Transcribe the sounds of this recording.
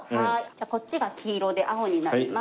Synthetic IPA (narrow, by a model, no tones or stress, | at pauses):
haid͡ʑaːko̞t͡ɕiɡakʲʰiːɾo̞d̪e̞ʔao̞ɲ̟inama